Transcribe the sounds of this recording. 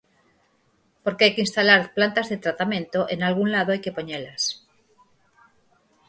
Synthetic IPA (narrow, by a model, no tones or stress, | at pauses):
poɾkeajkeinst̪alaɾplant̪azðet̪ɾat̪amẽ̞nt̪oʔenalɣ̞unlað̞oajke̞po̞ɲelas